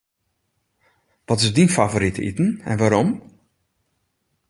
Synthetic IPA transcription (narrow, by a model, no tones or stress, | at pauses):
ʋɔtɪzdinfavoɾitḭtn̩ɛ̰nʋaːɾɔm